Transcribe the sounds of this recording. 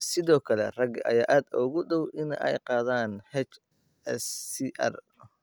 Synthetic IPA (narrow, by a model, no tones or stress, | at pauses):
sɪðɔːkʰɐlɛ̰rɐɡɐ̰jaːʔaːd̪ɔːɣʊɗɔwʔɪn̰ʔɛ̰jqɑːðaːnhɛt͡ʃ | ɛsːiʔɐ̰r